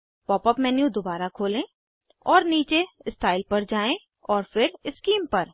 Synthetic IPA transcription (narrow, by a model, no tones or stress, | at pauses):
pɔːpəpmɛ̃ːnjũd̪obaːɾakʰoːlẽ | ɔːɾniːt͡ʃeɪst̪aːɪlpɐɾd͡ʒaːẽ | ɔːɾfɪɾɪskiːmpɐɾ